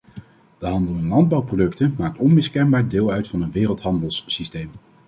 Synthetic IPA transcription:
d̥əɦɑndəlˠɛnlɑnd̚bɑwprodɵktəmaːk̚tɔnmɪskɛnbaːɹdɪːlˠœɥtfɑnənʋɪːrəlˠtɦɑndəlˠsːistejm

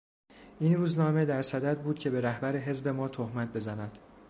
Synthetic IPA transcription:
ʔiːnruːznɒːme̞d̪æɾsæd̪æd̪̚buːd̪̥cʰe̞be̞ɾæhbæɾeɦe̞zbe̞mɒːt̪ʰohmæt̪̚be̞zænæd̪̥

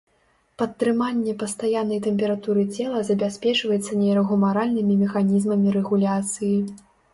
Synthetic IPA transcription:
pɐt̪ːɾɨmanʲːɛpɐst̪ajanːɐjt̪ɛmʲpʲɛɾat̪uɾɨt͡sʲɛlˠɐzɐbʲasʲpʲɛt͡ʂvɐjɛt̪sːɐnʲɛɾɐɣumaɾalʲnɨmʲimʲɛxanʲizmɐmʲiɾɛɣulʲat̪sɨji

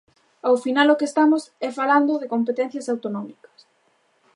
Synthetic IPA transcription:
awfinalokest̪amosɛfaland̪oðekompet̪ɛn̟θjɐsawt̪onɔmikɐ̥s

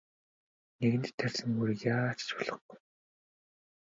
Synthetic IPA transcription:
neɣɘ̆nt̪t̪ʰːæɮʲsɘ̆ŋmuɾijaːt͡ɕt͡ɕpʊɮɞ̆χɡuj

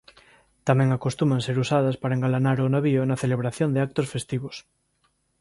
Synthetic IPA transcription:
t̪amɛ̃ŋakost̪umãnseɾusað̞ɐspaɾaeŋɡalanaɾonaβionaθeleβɾaθjond̪eak̚t̪osfest̪iβos

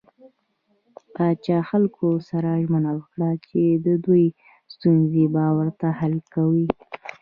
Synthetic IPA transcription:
pɑt͡ʃɑxalkʰosaɾaʒmənawəkɽat͡ʃed̪əd̪uj | st̪unzebawəɾt̪ahalkawi

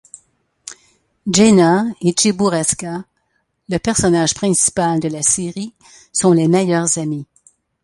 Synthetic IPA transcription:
d͡ʒenaet͡ʃebuʁɛska | ləpɛʁsɔnaːʒpχɛ̃si̥pald̪əlaseʁi | sɔ̃lemɛjœʁzami

